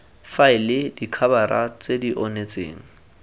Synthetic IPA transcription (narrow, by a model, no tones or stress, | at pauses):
faɪlɪdikʰabaɾa̰t͡sʼediʔɔnet͡sʼḛːŋ̩